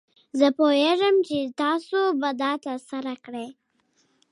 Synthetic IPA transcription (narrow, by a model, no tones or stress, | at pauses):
zəpoeʐəmt͡ʃet̪ɑsobad̪ɑt̪asaɾakɽe